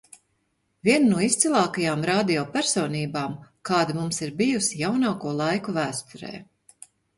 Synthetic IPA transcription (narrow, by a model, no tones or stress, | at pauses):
vʲiɛnnuɔist̪silˠaːkajaːmɾaːd̪iɔpæɾsɔːniːbaːmkaːd̪imumsiɾbijusijawnaːkuɔlˠajkuvæːst̪uɾɛ̰ː